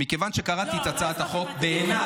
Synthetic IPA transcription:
mikevanʃe̞kaʁat̪itat͡saːt̪aχo̞kbeːna

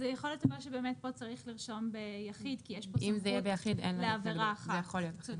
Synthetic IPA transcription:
zejaχoljotavaʃebeːmet̚bo̞t͡saʁiχliʁʃo̞mbejaχidkijeʃpoimzejɛbejaχid̪enlaeaveʁaːχzaejaχoljot

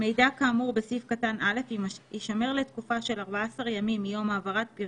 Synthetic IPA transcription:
me̞jdakamuʁbesifkatanʔale̞fiiʃame̞ʁletkufaʃe̞laʁbaaasaʁjamimːijo̞maːvaʁat̚piʁ

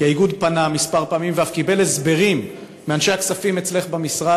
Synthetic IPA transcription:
jaiɡud̪panamispaʁpaːmimveafkibe̞lezbe̞ʁimː | eanʃe̞aksafimet͡sle̞χbamisʁa

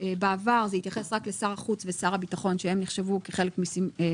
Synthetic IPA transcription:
ebeavaʁzeit̪jaχe̞sʁaklesaʁaχut͡svesaʁhabitaχo̞nʃehe̞mniχʃe̞vukeχe̞lekmisi

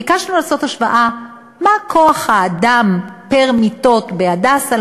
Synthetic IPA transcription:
ikaʃlanulaso̞taʃva̰ʔa | makʰo̞aχhaːdampeʁmit̪o̞tbeadasal

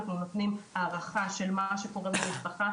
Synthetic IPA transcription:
knunot̪nimaːʁaχaʃelmaʃekoʁezamispaχa

